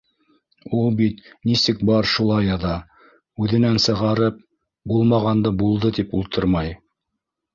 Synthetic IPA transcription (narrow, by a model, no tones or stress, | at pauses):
ulˠbit̪nisɘkbɑɾʃulˠɑjɑðɑ | ʉðɘ̆nænsɤ̆ʁɑɾɤp̚ | bulˠmɑʁɑnd̪ɤbulˠd̪ɤt̪ipulˠt̪ɤɾmɑj